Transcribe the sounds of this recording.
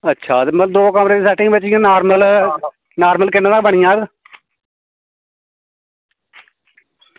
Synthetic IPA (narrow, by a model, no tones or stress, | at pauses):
ətːʃʰaːeməd̪oːkəmɾeːd̪iːsɛːʈɪ̃ŋɡbɪt͡ʃɪjãːnaːɾməl | naːɾməlkɪnãːaːbəɽ̃ĩjãːɡ